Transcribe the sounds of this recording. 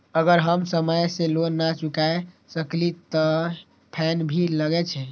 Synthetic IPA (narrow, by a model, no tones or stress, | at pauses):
əɡəɾɦəmsəməjselonːat͡ʃukae | səklit̪ɔ | pʰɛnbʱiləɡɛt͡ʃʰɛ